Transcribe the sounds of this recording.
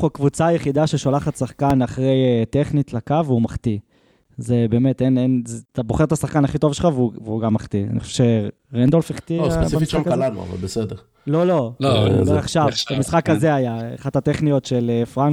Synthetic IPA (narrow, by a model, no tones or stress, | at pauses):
ukvut͡saːjeχid̪aʃeʃolaχat̪saχkanaχʁe̞jet̪eχnit̪lakavumaχt̪i | zebe̞ːmet̪enenzt̪abo̞χe̞ʁt̪asaχkanaχit̪o̞vʃelχavuveuɡamːaχt̪ia̰nḭoʃe̥uʃe | ʁend̪olfeχt̪isiamfisakalanṵa̰va̰lbesedeʁ | lo̞lo̞oeaχʃavbamisχakazeajaaχatat̪eχnijo̞tʃe̞lefʁan